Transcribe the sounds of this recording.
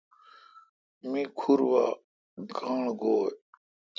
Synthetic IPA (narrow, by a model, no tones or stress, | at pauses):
mikʰuɾwa̰ | ɡãːɳɡoːj